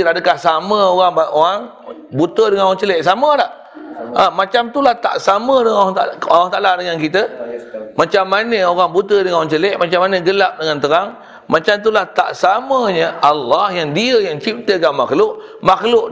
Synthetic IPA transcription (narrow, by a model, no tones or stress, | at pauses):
ɾadəkahsaməoɣaŋbaʔoɾaŋ | but̪ədəŋanoɣaŋt͡ʃəlɛʔsamədaʔ | amat͡ʃamt̪ulaht̪a̰ʔsamədəŋant̪aalwaht̪aʔaladəŋankit̪ə | mat͡ʃamːanəoɾaŋbut̪ədəŋanoɣaŋt͡ʃəlɛʔmat͡ʃamːanəɡəlap̚dəŋant̪əɾaŋ | mat͡ʃamt̪̬ulaht̪a̰ʔsaməɲəʔalːɑhjaŋdiəjaŋt͡ʃip̚t̪əkaʔmaklʊʔ | maklʊʔ